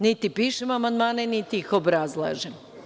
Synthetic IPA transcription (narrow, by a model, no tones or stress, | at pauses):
nit̪ipiːʃemamand̪maːnenit̪iixo̞bɾazlˠa̰ːʒem